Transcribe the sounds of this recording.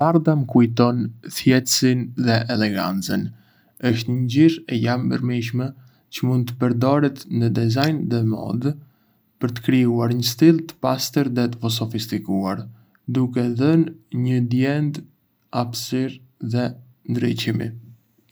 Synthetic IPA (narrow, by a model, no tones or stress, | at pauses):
paɾðaməkujt̪ɔnθjɛt̪sinðɛʔɛlɛɡa̰nt͡sən | əʃt̪ɲəɲɟiɾɛjambə̰ɾmiʃ̬mɛ | cəmund̪̚t̪əpəɾd̪ɔɾɛt̪nəd̪ɛzajnðɛmɔ̰d̪ | pəɾt̪ə̥kɾiuaɾɲəst̪ilˠt̪ə̥past̪əɾðɛt̪əvɔs̬ɔfist̪ikuaɾ | d̪ukɛðənɲəd̪jɛnd̪ | afsiɾ | ðɛ | nd̪ɾicimḭ